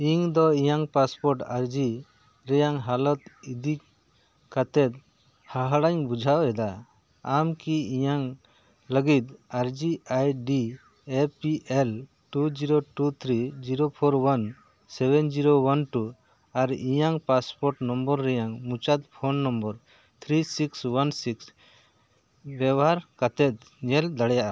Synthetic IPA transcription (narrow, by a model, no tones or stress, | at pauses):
iŋd̪ɔijaŋpaspɔɾʈaɾd͡ʒi | ɾɛjaŋɦalɔt̪id̪i | kat̪ɛt̪̚ | haɦɽaɲbud͡ʒʱawɛd̪a | amkiijaŋ | ləɡit̪̚aɾd͡ʒiajɖi | epiʔel | ʈud͡ʒiɾoʈut̪ʰɾid͡ʒiɾopʰoɾwan | sɛbɛnd͡ʒiɾowanʈu | aɾijaŋpaspɔɾʈnɔmbɔɾːɛjaŋmũt͡ʃat̪̚pʰonːɔmbəɾ | t̪ʰɾisikswansiks | bɛbɔɦaɾkat̪ɛt̪̚ | ɲɛld̪aɽɛjaʔa